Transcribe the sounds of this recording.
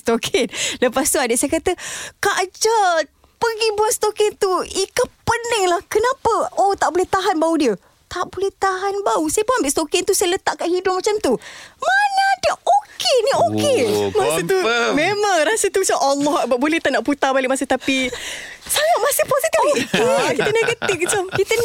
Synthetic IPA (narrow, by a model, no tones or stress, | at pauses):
st̪okʰɛnləpast̪uadəʔsajəkat̪əkaʔd͡ʒa | pəɡibuanst̪okɪnt̪uikəpənəŋlahkənãpəot̪aʔbolɛht̪aɦanbaudiə | t̪aʔbolɛht̪aɦanbausajəpoambɪʔst̪okɪnt̪usajlət̪aʔkaʔhidʊp̚mat͡ʃamt̪umanadiəʔokeniokemasət̪umemaŋrasət̪umat͡ʃamʔalːɔhabaʔbolɛht̪anaʔput̪abalɪk̚masɪht̪api | sajamasɪhpozit̪ifəkit̪əneɡət̪ɪfmat͡ʃamkit̪ə